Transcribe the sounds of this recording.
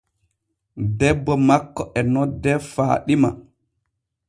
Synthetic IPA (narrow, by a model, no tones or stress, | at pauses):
dɛbːɔmakːɔʔɛnɔdːɛfa̰ːɗima